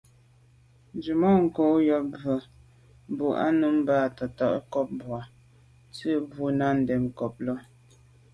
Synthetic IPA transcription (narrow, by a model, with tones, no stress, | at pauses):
n˦d͡ʒi˨mɔ˦˨ŋ̩˨ko˦jɔ˦bə˨˦ | bu˨ʔa̰˦nu˦m˦baː˦˨tə˨tɔ˦˨ʔkɔ˦p̚bwa˨ | t͡sə˦bu˦na˦n̩˨dɛ˨mkɔ˨p̚lɔ˦